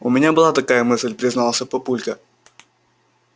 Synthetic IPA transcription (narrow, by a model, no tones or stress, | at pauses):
ʊmʲɪnʲabɨlˠat̪ɐkajəmɨsʲlʲpɾʲɪznalˠəsʲəpɐpulʲkə